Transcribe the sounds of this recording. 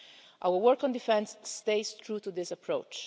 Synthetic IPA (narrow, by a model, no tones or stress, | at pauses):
ʔa̰wəwɔɾkɔ̃nd̪ifɛ̃nsːt̪eɪst̪ɹut̪ud̪ɪsapʰɹo̰t͡ʃ